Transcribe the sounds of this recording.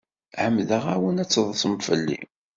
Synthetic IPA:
ʕəmːðəʁæwənæt͡sːəðˤsəmfəlːḭ

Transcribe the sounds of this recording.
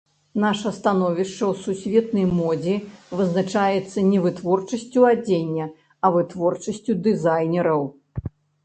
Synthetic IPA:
n̪aʂɐst̪anɔvʲiʂt͡ʂɐwsusʲvʲɛt̪̚nɐjmɔd͡zʲivɨznat͡ʂajɛt̪sːɐnʲɛvɨt̪vɔrt͡ʂɐsʲt͡sʲuad͡zʲenʲːɐ | ɐvɨt̪vɔrt͡ʂɐsʲt͡sʲud̪ɨzajnʲɛɾɐw

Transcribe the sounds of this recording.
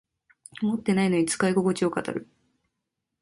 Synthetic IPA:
mo̞t̪ːe̞naino̞ɲ̟it͡sɨ̥kaiɡo̞ɡo̞t͡ɕio̞kat̪a̰ɾɯ̟

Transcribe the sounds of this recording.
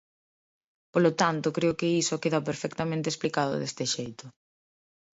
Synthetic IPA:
polʊt̪ant̪ʊkɾeʊkɪisʊkeðɐp̬eɾfɛkt̪amẽnt̪esplikaðʊ̰ðest̪ɪʃejt̪ʊ

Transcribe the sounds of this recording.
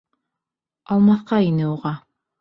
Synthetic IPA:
ɑlˠmɑθqɑinɘuʁɑ

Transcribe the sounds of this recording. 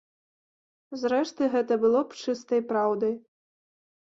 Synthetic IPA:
zɾɛʂt̪ɨɣɛt̪ɐbɨlˠɔpt͡ʂɨst̪ɐjpɾawd̪ɨj

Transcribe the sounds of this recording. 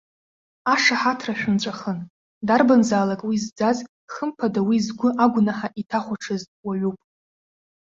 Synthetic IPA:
aʂaħatʰraʃᶣʊnt͡ɕʷʼaχən | darbanzaːlakʼwizd͡zaz | χəmpʰadawizɡʷʊʔaɡʷnaħaʔitʰaχʷaʈ͡ʂʰɨztʼwaɥupʼ

